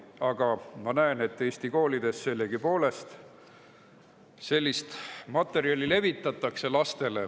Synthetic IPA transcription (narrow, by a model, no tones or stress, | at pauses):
ɑɡ̥ɑmɑnæene̞t̪ːˑe̞ːst̪iko̞ːlid̪̥e̞sːe̞lːeɡ̥ipo̞ːle̞st̪ | se̞lʲːist̪mɑt̪ːˑe̞ɾiɑlʲile̞vit̪ˑːɑt̪ːˑɑkse̞lɑst̪e̞le